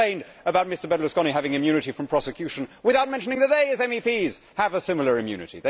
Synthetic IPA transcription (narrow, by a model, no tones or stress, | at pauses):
ẽɪ̃nd | əbaʊt̚mɪstə˞bɛdˡlˠəskɔñiɦævɪ̃ŋɨ̃mjʉnɨɾifɹʌ̃mpʰɹ̥ɑsɨkʰj̥ʉʃɨ̃n̩wɨθaʊt̚mɛ̃nʃənɪ̃ŋðət̪̚ðeɪɨzɛ̃mipiz̥əvəsɪ̃ml̩ˠə˞ɨ̃mjʉ̰nɨ̰ɾḭðeɪ